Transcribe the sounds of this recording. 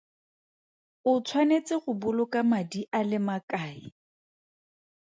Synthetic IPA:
ʊt͡sʰwanet͡sʼɪɣʊbʊlʊkʼamadiʔalɪmakʼaːi

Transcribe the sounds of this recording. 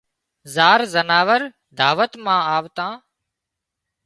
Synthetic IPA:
zaːɾzənaːʋəɾ | d̪ʱaːʋət̪mãːaːʋt̪ãː

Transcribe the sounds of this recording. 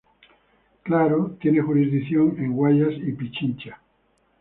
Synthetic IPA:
klaɾot̪jenexuɾizðiθjo̞ŋẽŋɡwaʎasipit͡ʃint͡ʃa

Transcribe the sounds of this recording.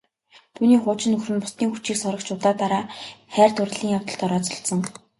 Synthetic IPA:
t̪ʰuːniːχʊːt͡ɕɪ̆nɵxrɘ̆npʊ̥st̪iːŋxut͡ɕiːksɔɾə̆kt͡ɕʊt̪aːt̪aɾaːχæːrt̪ʊr̆ɮiːŋjawt̪ə̆ɬt̪ɔɾɔːt͡sɔ̥̆ɬt̪sɞ̆ŋ

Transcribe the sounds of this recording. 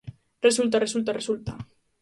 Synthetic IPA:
result̪aresult̪aresult̪a

